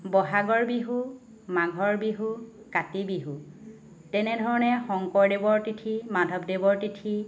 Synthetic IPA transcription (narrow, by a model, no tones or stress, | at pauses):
bɔɦaɡɔɹbiɦu | maɡʱɔɹbiɦu | katibiɦu | tɛnɛdʱɔɹɔnɛxɔŋkɔɹdebɔɹtitʰimadʱɔbdebɔɹtitʰi